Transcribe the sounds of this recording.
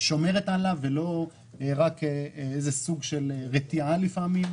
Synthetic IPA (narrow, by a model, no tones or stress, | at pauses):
ʃo̞me̞ʁet̪alavelo̞ | eʁakezesuɡʃelʁet̪ialifamim